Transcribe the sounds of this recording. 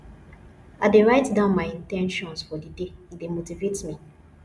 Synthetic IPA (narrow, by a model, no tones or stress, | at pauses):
adeɹaɪtdãʊ̃nmaɪĩntɛ̃nʃɔ̃nsfɔdideidemotivetmi